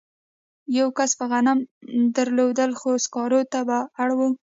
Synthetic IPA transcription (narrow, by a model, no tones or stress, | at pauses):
jawkaspəɣanamd̪əɾlod̪əlxoskɑɾot̪abaːɽwə